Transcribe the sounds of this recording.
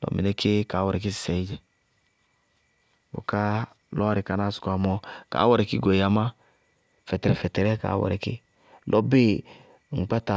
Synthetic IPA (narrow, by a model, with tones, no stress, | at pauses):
lɔ̰˨˦mḭ˨ne˦ke˦ka˨˦wɔ˨ɾɛ˨k̬i˦si̥˨sɛ˨i˦d͡ʒɛ˨ | wo̰˨ka˦ | lɔ˦ɾi˨ka˨na˦su̥˨ka˨mɔ˨ka̰˨˦wɔ˨ɾɛ˨ki˦ɡo˨a˨ma˦ | fɛ˨tɛ˨ɾɛ˨fɛ˨tɛ˨ɾɛ˦ka̰˨˦wɔ̰˨ɾɛ˨kḭ˦ | lʔɔ˦bi˦ | ŋ͡m̩˨k͡pa˦ta˨